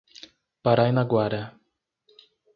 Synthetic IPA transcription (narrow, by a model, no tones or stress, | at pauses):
paɾajnaɡwaɾɐ